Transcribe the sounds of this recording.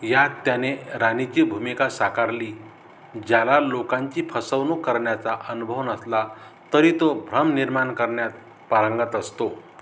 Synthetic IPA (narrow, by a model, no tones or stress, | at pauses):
jat̪ːjaneɾanit͡ɕiːbʱumikasakaɾliː | d͡ʑjalalokãɲt͡ɕiːpʰəsəʋnukːəɾɳjat͡saʔənubʱəʋnəsla | t̪əɾiːt̪obʱɾəmniɾmaɳkəɾɳjat̪̚ | paɾəŋɡət̪əst̪o